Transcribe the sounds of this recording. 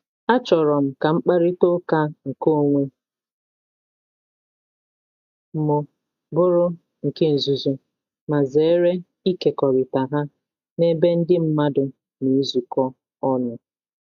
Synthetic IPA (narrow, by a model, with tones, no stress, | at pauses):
a˦t͡ʃɔ˨ɾɔ˨m̩˨ka˨ŋ͡m̩˦k͡pa˦ɾɪ˦to˦ka˦ŋ̩˨ko˦˨ŋʷe˦ | m̩˨mʊ˨ | bʊ˦ɾʊ˦ | ŋ̩˨ke˦n̩˨zu˨zo˦ | ma˨ze˨˦ɾe˦ | i˦ke˨kɔ˨ɾɪ˨ta˨ɦa˦ | ne˦be˦n̩˦dɪ˦m̩˦ma˦dʊ˨ | ne˨˦zu˨kɔ˦ | ɔ˦nʊ˨